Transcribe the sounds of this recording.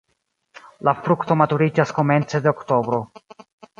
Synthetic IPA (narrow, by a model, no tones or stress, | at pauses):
lafɾukto̞matuɾid͡ʒasko̞me̞nt͡se̞deokto̞bɾo̞